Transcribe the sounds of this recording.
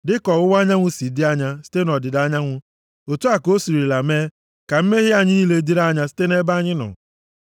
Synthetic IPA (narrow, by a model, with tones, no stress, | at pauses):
dɪ˦kɔ˨ʊ˦wa˦ɲa˦ŋʷʊ˦si˨dɪ˦a˦ɲa˦si̥˦te˦nɔ˨dɪ˨da˦ɲa˦ŋʷʊ˦ | o˨tu˦a˨ko˦si˨ɾi˨la˨meː˦ | ka˨m̩˦me˦ɣɪ˦a˦ɲi˦le˦di˦ɾa˦ɲa˦si̥˦te˦ne˦ba˦ɲɪ˦nɔ̰˨